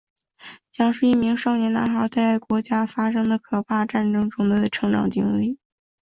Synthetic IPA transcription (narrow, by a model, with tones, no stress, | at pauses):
t͡ɕjɑ˥ŋʂɻ̩˥˧i˥˩mi˧˥ŋʂɑ˥˩ʊnjɛ˧˥nna̰˧˥nxɑ˧˥ʊt͡sa˥˩ɪ˩kwɔ˧˥t͡ɕja˥fa˥ʂɤ˥ŋd̪ə˨kʰɤ˨˩pʰa˥˩ʈ͡ʂa˥˩nʈ͡ʂɤ˥ŋʈ͡ʂʊ˥ŋd̪ə˧˩ʈ͡ʂʰɤ˧˥ŋʈ͡ʂɑ̰˨˩ŋt̪i˧˥ŋli˥˩